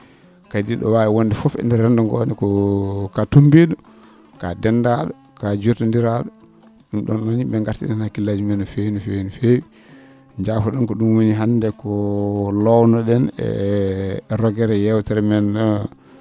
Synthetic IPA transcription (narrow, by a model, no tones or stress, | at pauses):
kadiɗɔwajɛwondɛfɔfɛ̰ndɛɾɛndɔŋɡɔ̰ːnɛkɔkatumbiɗɔ | ka̰dɛndaːɗɔ | kad͡ʒutɔndiɾaɗɔ | ɗumɗɔ̰nːɔnibɛŋɡaɾtḭɗɛnhakilːad͡ʒumɛnɔfenɔfenɔfewi | ɲd͡ʒafɔɗɔnkɔɗumwoniɦandɛkɔlɔwnɔɗɛnɛ̰ | ɾɔɡɛɾɛjɛwtɛɾɛmɛnːɔ